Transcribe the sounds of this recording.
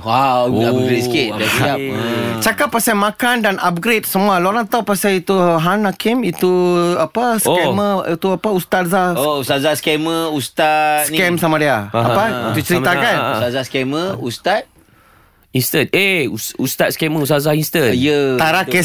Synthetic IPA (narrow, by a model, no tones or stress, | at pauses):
wawaɡɾetsket̪dasat͡ʃakapːasamãkandanap̚ɡɾet̪̚səmualoɾant̪awpasait̪uɦanakimit̪uapasokɛməit̪uapaust̪at̪̚zaust̪azaskɛməust̪ats̚nkɛmsamadiaapait̪ut͡ʃəɾiakanst̪azaskɛməust̪at̪̚ | inst̪əneusust̪at̪̚skɛməus̬t̪atzainst̪ənjət̪aɾakɛ